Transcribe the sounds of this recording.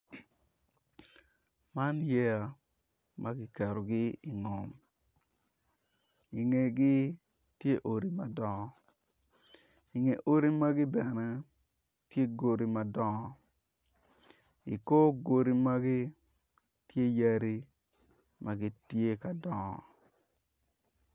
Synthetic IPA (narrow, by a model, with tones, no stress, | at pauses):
ma˦njɛ˦a˨ | mʔa˦ɡɪ˦kɛ˨ɾo˨ɡɪ˦i˨ŋɔ˨m | i˨ŋe˨ɡɪ˦ | tje˦ʔo˨ɾi˨ma˨dɔ˦ŋɔ˦ | i˨ŋe˨ʔo˦ɾi˦ma˦ɡɪ˦bɛ˨nɛ˦ | tje˦ɡo˨ɾi˨ma˨dɔ˦ŋɔ˦˨ | i˨ko˦ɡo˨ɾi˦ma˦ɡɪ˦ | tje˦ja˦ɾi˦ | mʔa˨ɡɪ˦tje˦ka˨dɔ˨ŋɔ̰˨